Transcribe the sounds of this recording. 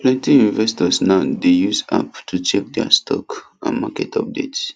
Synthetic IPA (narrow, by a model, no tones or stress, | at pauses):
plɛ̃ntijũnvɛstɔsnaʊdejusa̰ptʰut͡ʃɛk̚dɛ̰stʰɔ̰k | ã̰nmakɛtʰɔp̚dḛts